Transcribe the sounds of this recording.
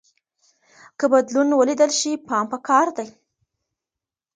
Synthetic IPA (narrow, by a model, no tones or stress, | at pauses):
kəbad̪lunwəlid̪əlʃipɑmpəkɑɾd̪aj